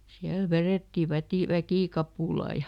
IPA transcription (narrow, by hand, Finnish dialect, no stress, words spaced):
siæl ʋereˑtːi ʋætiˑ ʋækiˑkɑpuˑlɑ jɑ